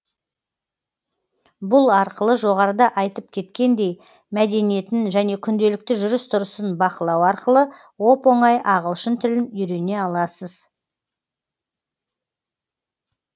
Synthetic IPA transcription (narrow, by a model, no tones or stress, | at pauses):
bʊlˠɑɾqəlˠəʒo̞ʁɑɾəd̪ɑʔɑjt̪əp̚kʲʰe̞t̪kʲe̞nd̪e̞j | mæd̪e̞nije̞t̪ɪnʒæne̞kʲʰʏnd̪e̞lɪk̚t̪ɪʒʊɾəst̪ʰʊɾəsənbɑqəlˠɑwɑɾqəlˠə | wo̞po̞ɴɑjʔɑʁəlˠʃənt̪ʰɪlɪnʏɾe̞ne̞ɑlˠɑsəz